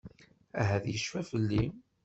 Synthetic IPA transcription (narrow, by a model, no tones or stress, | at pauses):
æɦæðjəʃfæfəlːi